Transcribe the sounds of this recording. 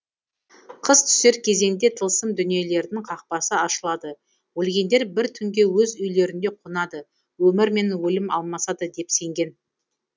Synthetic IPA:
qʰəzt̪ʰʏ̥se̞ɾkʲʰe̞ze̞nd̪e̞t̪ʰəlˠsəmd̪ʏnije̞le̞ɾd̪ɪŋqʰɑq̚pɑsəɑʃəlˠɑd̪ə | wɵlɡʲe̞nd̪e̞ɾbɪɾt̪ʰʏŋɡʲe̞wɵzʏjle̞ɾɪnd̪e̞qʰonɑd̪ə | wɵmɪɾme̞nwɵlɪmɑ̰lˠmɑsɑd̪əd̪e̞pse̞ŋɡʲe̞n

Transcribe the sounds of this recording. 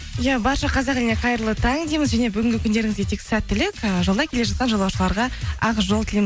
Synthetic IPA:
jæbɑɾʃɑqʰɑzɑqelɪneqʰɑjɾlˠət̪ʰɑŋd̪ejməzʒæne̞bʏɡʲɪŋɡʲɪkʲʰʏnd̪e̞ɾɪŋɪzɡʲe̞t̪ʰe̞ksæt̪ːɪlɪkʲəʒolˠd̪ɑkʰʲele̞ʒɑt̪̚qɑnʒolˠwɑwʃəlˠɑɾʁɑɑʁʒo̞lˠt̪ɪlem

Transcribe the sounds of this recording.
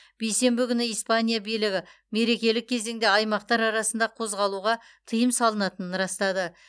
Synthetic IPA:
b̥ejse̞mbɪkʲʰʏnɪijspanʲijabijlɪɡʲɪ | me̞ɾe̞kʲe̞lɪkʲʰːeze̞ŋd̪e̞ɑjmɑqt̪ɑɾɑɾɑsənd̪ɑqʰo̞zʁɑlˠuʁɑ | t̪ʰəjəmsɑlˠənɑt̪ənənɾɑst̪ɑd̪ə

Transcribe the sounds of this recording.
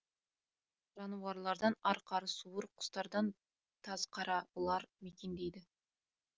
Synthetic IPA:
ʒ̥ɑnuwɑɾlˠɑɾd̪ɑnɑɾqʰɑɾəsuwəɾqʰʊ̥st̪ɑɾd̪ɑn | t̪ʰɑzqʰɑɾɑwolˠɑɾmekʲe̞nd̪ejd̪ɪ

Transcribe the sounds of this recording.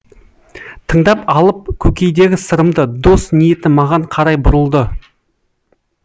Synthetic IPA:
t̪ʰəɴd̪ɑpɑlˠəp̚kʲʰɵkʲe̞jd̪e̞ɡʲɪsəɾəmd̪əd̪o̞snije̞t̪ɪmɑʁɑɴqʰɑɾɑjbʊɾəlˠd̪ə

